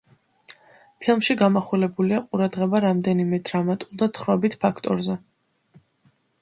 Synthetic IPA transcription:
pʰilˠmʃiɡamaχulɛbuliaqʼuɾad̪ʁɛbaɾamd̪ɛnimɛd̪ɾamat̪ʼulˠd̪at̪ʰχɾɔbit̪ʰpʰakʰt̪ʼɔ̰ɾzɛ

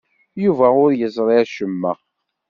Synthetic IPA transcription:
juvæʊɾjəzˤɾˤiʃəmːə

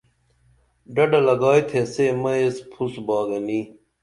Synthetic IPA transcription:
ɖɐɖɐlɐɡɑːjt̪ʰesemɐespʰusbɑːɡɐni

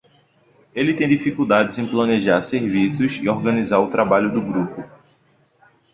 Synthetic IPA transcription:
elɪt̪ẽj̃d̪ifikuwd̪ad͡ʒɪzẽj̃plɐ̃neʒaɾseɾvisʊzḭɔɾɡɐ̃nizaɾʊt̪ɾabaʎʊd̪ʊɡɾupʊ

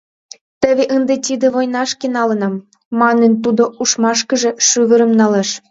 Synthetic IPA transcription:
t̪ə̆βʲeʔənd̪ĕt̪ʲid̪ĕβojnɑʃkenɑlɤ̆nɑmː | ɑnə̆nt̪ud̪ŏuʃmɑʃkɤ̆ʒĕʃyɣə̆ɾɤ̆mnɑleʃ

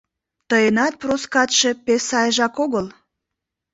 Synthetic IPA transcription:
t̪əjenɑt̪̚proskɑt̪ʃe̽pesɑjəʒɑkoɣəl

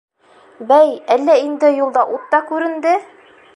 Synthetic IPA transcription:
bæjælːæind̪ɘjulˠd̪ɑʔut̪ːɑkʉɾɘ̆nd̪ɘ

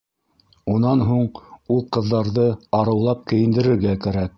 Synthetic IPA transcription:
unɑnɦuɴulˠqɤ̆ðːɑɾðɤɑɾɤ̆wlˠɑp̚kɘ̆jɘ̆nd̪ɘ̆ɾɘ̆ɾɡækæɾæk̚

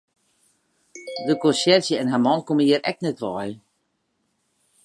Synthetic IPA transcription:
dəkɔnsɛrsjəɛnɦamɔnkoməiəɾɛ̰k̚nɛtʋɔj

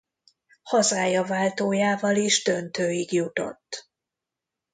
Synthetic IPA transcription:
hɒzaːjɒvaːlt̪oːjaːvɒliʒd̪ønt̪øːiɡjut̪o̞̰t̪ː

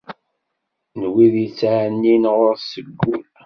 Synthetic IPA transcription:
nwiðjət͡sːʕnːinʁoɾsəɡːu

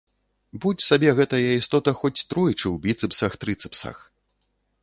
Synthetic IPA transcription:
but͡sʲsabʲɛɣɛt̪ɐjɐist̪ɔt̪ɐxɔt͡sʲt̪ɾɔjt͡ʂɨwbʲit̪sɨpsɐxt̪ɾɨt̪sɨ̥psɐ̰x

